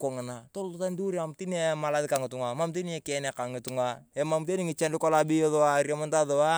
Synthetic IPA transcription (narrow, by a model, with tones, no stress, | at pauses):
ko˨ŋɪ˨na˨to˦lu˦ta˦ndu˦ɾamti˦nema˨la˦ðɪka˨ŋɪ˨tu˨ŋa˨ma˦mt̬i˦ni˦e˦ke˨ne˨ka˨ŋɪ˨tuŋae˨mamte˦nɪ˦ŋi˨t͡ʃa˦nlɪ˦ko˦la˦bi˦o˦ðoaɾja˨ma˦nta˦ðo˨wa˦